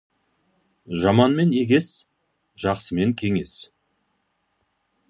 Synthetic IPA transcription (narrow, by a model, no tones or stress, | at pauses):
ʒɑmɑnme̞neɡʲe̞s | ʒ̥ɑqsəme̞ŋkʲʰe̞ŋe̞s